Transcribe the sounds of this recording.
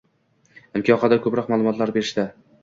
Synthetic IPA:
ɪmkʲʰɒqɑd̪akʰɵpɾɒqmaːlˠʊmɒt̪laɾbe̞ɾɪʃt̪a

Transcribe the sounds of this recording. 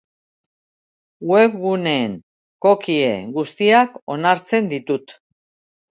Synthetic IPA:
we̞βɣune̞ːŋ | ko̞kie̞̰ɡust̪iako̞naɾt͡se̞nd̪it̪ut̪

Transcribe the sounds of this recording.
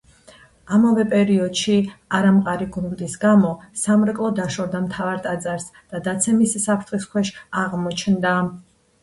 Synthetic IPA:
amavɛpʼɛɾiɔd̪̥ʃiaɾamqʼaɾiɡunmd̪isɡamɔsamɾɛkʼlˠɔd̪aʃɔvd̪amt̪ʰavaɾt̪ʼad̪zʼaɾsd̪̥ad̪at̪sʰɛmisːapʰɾt̪ʰχiskʰwɛʃaʁmɔt͡ʃʰnd̪a

